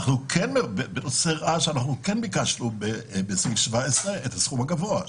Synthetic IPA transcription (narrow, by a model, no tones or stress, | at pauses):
aχnukʰenmebebenoseʁaaʃeanaχnukenbikaʃnubebesifʃvaesʁeʔet̪hasχumaɡavoa